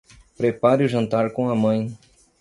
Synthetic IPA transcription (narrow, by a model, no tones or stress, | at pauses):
pɾepaɾɪʊʒɐ̃nt̪aɾkõɐmɐ̃j̃